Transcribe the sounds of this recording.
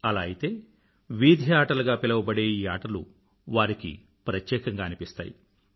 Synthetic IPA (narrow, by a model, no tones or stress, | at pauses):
ɐlaːjit̪e̞ː | ʋiːd̪ʱjaːʈɐlɐɡaːpilɐʋɐbɐɽeːiːaːʈɐlṵ | ʋaːɾikḭ | pɾɐt̪jɛːkɐŋɡaːnipist̪a̰ːji